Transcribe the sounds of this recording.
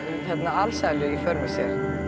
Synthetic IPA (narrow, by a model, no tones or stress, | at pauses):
θɛt̪naalsajlʏɣifœɾmʏsjɛɾ